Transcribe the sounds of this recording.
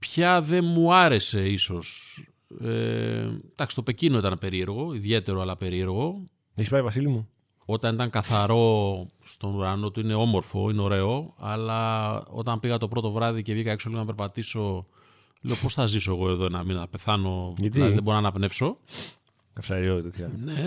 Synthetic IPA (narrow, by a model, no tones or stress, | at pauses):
pçɐðe̞muɐɾe̞se̞iso̞s | ḛd̪̥ɐksi̥st̪o̞pe̞cino̞it̪ɐnpe̞ɾie̞ɾɣo̞iðʝe̞t̪e̞ɾoɐlɐpe̞ɾie̞ɾɣo̞ | eçspajivɐsilimu | o̞t̪ɐnit̪ɐŋkɐθɐɾo̞st̪o̞nuɾɐno̞t̪uine̞o̞mo̞ɾfo̞̰ineo̞ɾe̞o̞ɐlɐo̞̰t̪ɐmpiɣɐt̪o̞pɾo̞t̪o̞vɾɐðicevʝikɐekso̞liɣonɐpe̞ɾpɐt̪iso̞ | leopo̞sθɐziso̞e̞ɣo̞e̞ðo̞enɐminɐθɐpe̞θɐno̞ɐt̪iɐiðeboɾonɐnɐpne̞fso̞ | kɐfsɐɾiot̪et̪çɐne̞